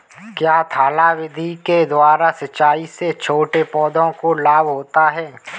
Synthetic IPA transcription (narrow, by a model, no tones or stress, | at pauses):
kjaːt̪ʰaːlawɪd̪ʱiked̪waːɾasɐt͡ʃaːiset͡ʃʰoːʈepɔːd̪ʱõkolaːbɦoːt̪aɦɛː